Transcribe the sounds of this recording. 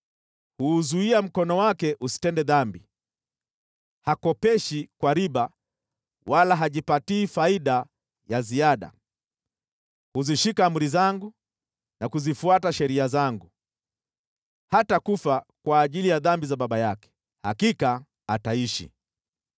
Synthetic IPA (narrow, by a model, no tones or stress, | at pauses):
huːzuiam̩kɔnɔwakɛʔusi̥tɛndɛðambi | hakɔpɛʃikwaɾiɓa | walaɦaʄipatiːfaiɗa | jaziaɗa̰ | huziʃikaːmuɾizaŋɡu | nakuzifuataʃɛɾiazaŋɡu | hatakufakwaːʄilijaðambizaɓaɓajakɛ̥ | hakikaː | taiʃḭ